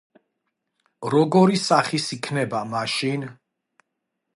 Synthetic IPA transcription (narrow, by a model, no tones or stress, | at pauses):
ɾɔɡɔɾisaχisikʰnɛbamaʃin